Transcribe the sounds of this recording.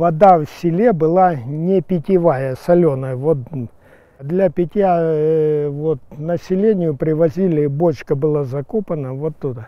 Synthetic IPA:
vɐd̪afsʲɪlʲe̞bɨlˠanʲɪpʲɪtʲɪvajəsɐlʲonəvot̪̚ | d̪lʲɐpʲɪtʲja | vot̪̚nəsʲɪlʲenʲɪjʊpɾʲɪvɐzʲilʲɪbot͡ɕkəbɨlˠazɐkopənəvot̪ːud̪a

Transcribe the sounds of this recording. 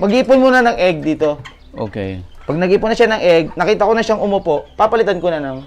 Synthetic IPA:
mɐɡiːpʊnmunɐnɐŋʔɛɡ̚d̪iːt̪o̞ | ʔo̰ːkɛ̰j | pɐɡ̚nɐɡiːpʊnːɐʃanɐŋʔɛɡ̚nɐkiːt̪ɐkonɐʃaŋʔʊmopo̞ʔpapɐlɪt̪ankonɐnɐm

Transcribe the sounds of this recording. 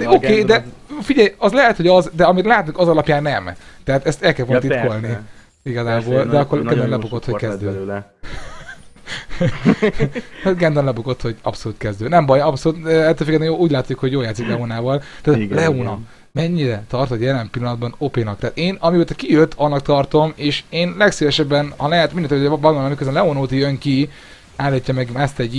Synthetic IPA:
okeːd̪ɛfiɟɛjɒzlɛɦɛt̪ho̞ɟɒzd̪ɛɒmit̪laːt̪uŋkɒzɒlɒpjaːnːɛmt̪ɛɦaːt̪ɛst̪ɛlkɛlfont̪it̪kolni | iɡɒzaːboːld̪ɛɒkːoɾɡ̪ɛnd̪onlɛbuɡot̪hokɛzzd̪øː | ɡɛnd̪onlɛbuɡot̪ho̞ɟɒ̰psoluːt̪kɛzd̪øːd̪nɛmbɒjɒpsolut̪øɛlt̪ːøːføkɡɛt̪nɛjoːuːɟlaːt̪sikhoɟjoːljaːt̪siklɛonaːvɒlt̪aːt̪lɛoːnɒ | mɛɲːiɾɛt̪ɒrt̪ot̪jɛlɛmpilːɒnɒd̪bɒnopeːnɒk̚t̪aːt̪eːnɒmioːt̪ɛkijøt̪ʰːɒnːɒk̚t̪ɒrt̪o̞meːʃeːnlɛksivɛʃɛbːɛnhɒlɛɦɛt̪mindɛnøbɒnolːmikøzbɛnlɛoːnoːt̪ijøŋki | aːlicːɒmɛɡast̪ɛɟ

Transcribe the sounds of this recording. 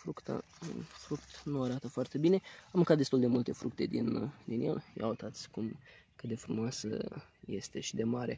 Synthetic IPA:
fɾukt̪a̰ | əfɾukt̪nuaɾat̪əfoart̪e̞bine̞amːɨŋkat̪d̪est̪uld̪e̞mult̪e̞fɾuk̚t̪e̞̰d̪ind̪injḛlja̰wut̪at̪sʲkum | kɨt̪d̪e̞fɾumoasə̰ | je̞st̪e̞ʃid̪e̞maɾe

